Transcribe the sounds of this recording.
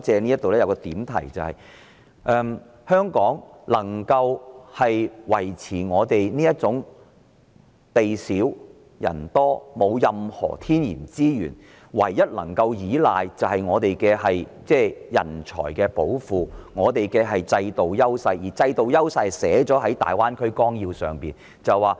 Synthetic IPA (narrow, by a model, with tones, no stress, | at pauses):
t͡sɛː˨˧ni˥jɐ˥t̪ːo˨wlɛː˥jɐ˧wkɔː˧t̪iː˨˥mt̪ʰɐ˨˩jt͡sɐ˨whɐ˨j | ʔɛː˧m | hœː˥ŋkɔː˨˥ŋlɐ˨˩ŋkɐ˧whɐ˨jwɐ˨˩jt͡sʰiː˨˩ŋɔː˨˧t̪e˨jniː˥jɐ˥t̚t͡sʊ˨˥ŋ | t̪e˨jsiː˨˥w | jɐ̰˨˩nt̪ɔː˥mo˨˧wjɐ˨mhɔ̰ː˨˩t̪ʰiː˥njḭː˨˩nt͡siː˥jyː˨˩n | wɐ̰˨˩jːɐ˦˥t̚lɐ˨˩ŋkɐ˧wjiː˨˥laː˨jt͡sɐ˨whɐ˨jŋɔː˨˧t̪e˨jkɛː˧ɦɐ˨jt͡sɛː˥˩jɐ̰˨˩nt͡ʃʰɔ̰ː˨˩jkɛː˧po˨˥wfuː˨ŋɔː˨˧t̪e˨jkɛː˧ɦɐ˨jt͡sɐ˧jt̪o˨wjɐ˥wsɐ˧jjiː˨˩t͡sɐ˧jt̪o˨wjɐ˥wsɐ˧jsɛː˨˥t͡ʃɔː˨˥ɦɐ˨˥jt̪a̰ː˨jwaː˥nkʰɵ˥ɥkɔː˥ŋjiː˧wsœ̰ː˨ŋpiː˨n | t͡sɐ˨wwaː˨